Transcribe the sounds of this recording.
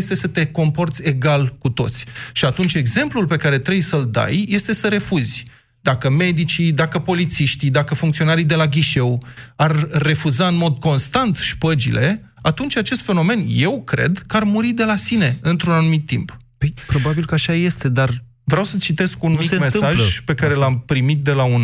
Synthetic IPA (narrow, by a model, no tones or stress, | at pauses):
jest̪e̞sət̪e̞ko̞mpo̞rt̪sʲe̞ɡalkut̪o̞̰t̪sʲʃiat̪unt͡ʃʲe̞ɡze̞mplulpe̞kaɾe̞t̪ɾebjsəld̪a̰jje̞st̪e̞səɾe̞fuzʲ | d̪akəme̞d̪it͡ʃid̪akəpo̞lit̪siʃt̪id̪akəfuŋkt̪io̞naɾid̪e̞laɡʲiʃe̞warːe̞fuzaɨnmo̞d̪ko̞nst̪ant̪ʃpəd͡ʒḭlʔe̞ | at̪unt͡ʃʲat͡ʃe̞st̪fe̞no̞me̞nje̞wkɾe̞̰d̪kəarmuɾid̪e̞lasine̞ɨnt̪ɾunanumit̪ːḭmp | pəjpɾo̞babilkəaʃaje̞st̪e̞d̪ar | vɾeawsət͡ʃit̪e̞skunumimesaʒpe̞kaɾelampɾimit̪̚d̪e̞laun